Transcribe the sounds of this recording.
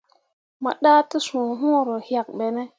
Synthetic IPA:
ma̰˨ɗa˦tə˦sũ˨ɦũ˦˨ɾo˨hja˨k̚ɓe˨ne˦

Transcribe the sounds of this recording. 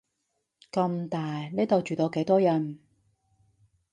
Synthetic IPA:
kɐ˧mt̪aː˨˩jneː˥jt̪o˨wt͡ʃyː˨t̪o˨˧wke˨˥jt̪ɔː˥jɐ˨n

